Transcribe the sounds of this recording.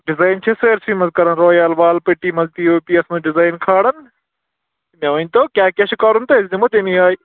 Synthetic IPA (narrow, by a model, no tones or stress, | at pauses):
ɖɪzaːɪnt͡ʃʰeseːɾsimɐzkɐɾɐnɾoːjaːlʋaːlpɪʈːiːmɐlt̪iːoːpiːɐsnũːɖɪzaːɪnkʰaːɽɐn | mẽʋɐnt̪oːkjaːkeʃɪkaːɾʊnt̪ɐɦɪsd̪imʊt̪emĩaːiː